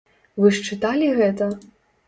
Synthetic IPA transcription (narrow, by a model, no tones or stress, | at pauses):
vɨʂt͡ʂɨt̪alʲiɣɛt̪ɐ